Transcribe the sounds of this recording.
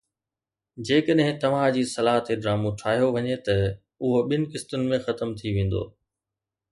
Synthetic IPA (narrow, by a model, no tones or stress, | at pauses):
d͡ʑeːkəɗɦɪ̃t̪ɐʋ̤ãd͡ʑiːsɐlaːɦət̪eɖɾaːmũʈʰaːɦijoʋɐɲet̪ɐ | ʊɦoɓɪnɪ̆kɪst̪ʊnɪ̆mẽxɐt̪əmt̪ʰiʋẽːn̆d̪o̰ː